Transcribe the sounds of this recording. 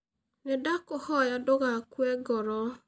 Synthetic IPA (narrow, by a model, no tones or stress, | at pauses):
nɛdakɔhɔjadɔɡakwɛɡɔɾɔ